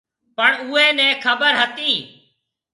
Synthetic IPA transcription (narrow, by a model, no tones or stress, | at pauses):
pəɳuːeːnɛ̃ːkʰəbəɾɦət̪iː